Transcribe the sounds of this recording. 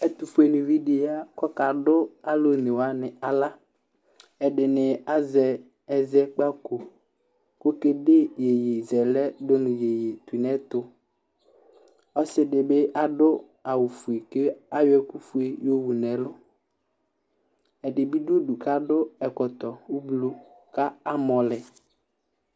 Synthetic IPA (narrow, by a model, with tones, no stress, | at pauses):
ɛ˨t̪u˨fʊ˦e˨nʊ̃˨vi˦dɪ˨˦a˦kɔ˦ka˨dʊ˦a˦lʊ˦nɪ˨wa˦nɪ˨a˨la˦ | ɛ˨dɪ˨nɪ˨a˦zɛ˨ | ɛ˨zɛ˦k͡pa˦ko˨ | ko˦ke˦de˦je˨je˨zɛ˨lɛ˦dʊ˦nʊ̃˨je˨je˨t̪u˨nɛ˦t̪ʊ˨ | ɔ˦sɪ˦dɪ˨bɪ˦ʔa˦dʊ˦ | a˨wu˨fu˨e˨kɪ˦a˦jʊ˦ɛ˦ku˦fu˦e˦jo˦wu˨nɛ˨lʊ˦ | ɛ˨dɪ˨bi˦dʊ˦du˨ka˦dʊ˦ɛ˨kɔ˨t̪ɔ˨u˦blo˦ | ka˦a˦mɔ̃˨lɛ˨